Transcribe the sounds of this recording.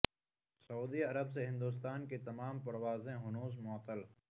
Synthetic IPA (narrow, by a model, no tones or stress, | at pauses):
sɐuːd̪iɐɾəbs̬eɦɪ̃nd̪uːs̬t̪aːnket̪ɐmaːmpɐɾwaːzẽɦʊnuːs̬mʊət̪ːəl